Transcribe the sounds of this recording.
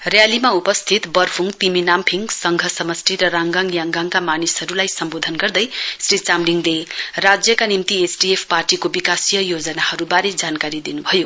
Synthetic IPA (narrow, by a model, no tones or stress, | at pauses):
rjalimaupʌst̪ʰit̪bʌrpʰuŋt̪iminampʰiŋɡsʌŋɡʱʌsʌmʌsʈiɾʌɾaŋɡaŋjaŋɡaŋkamanisɦʌɾulajsʌmbod̪ʱʌnɡʌrd̪ʌjsrit͡samliŋlerad͡zjʌkanimt̪iesʈiepʰparʈikobikasijʌjod͡zʌnahʌɾubaɾed͡zankaɾid̪inubʱʌjo